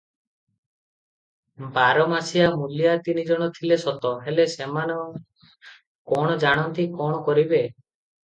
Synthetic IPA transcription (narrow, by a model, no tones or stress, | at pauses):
baɾɔmasijamulijat̪inid͡ʒɔɽ̃ɔt̪ʰilesɔt̪ɔɦelesemanɔ | kɔɽ̃ɔd͡ʒaɽ̃ɔnt̪ikɔɽ̃ɔkɔɾibe